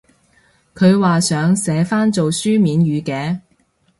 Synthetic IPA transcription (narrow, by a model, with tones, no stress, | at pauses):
kʰɵ˨˧ɥwaː˨sœː˨˧˥ŋsɛː˨˧˥faː˥nt͡so˨wsyː˥miː˨˧njyː˨˧kɛː˨˧